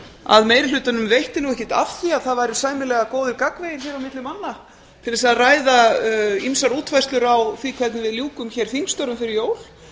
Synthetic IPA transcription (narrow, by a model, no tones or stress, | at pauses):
a̰ðmejɾɪl̥ʏːt̪anʏmvejht̪ɪnuɣɛhcːɪt̪a̰fθiaðθaðvajɾʏsaːjmɪlɛɣakoːwðɪɾkakvejɪɾ̥çɛɾawmɪt̪lɪmanːa | t̪ʰɪlɛsaðraːjðaimsaɾuːt̪fajst̪lʏɾawθikʰvɛt̪nɪvɪðljuːkʏmçɛɾ̥θiŋkst̪ɔɾʏmfɪɾɪɾjoːwl̥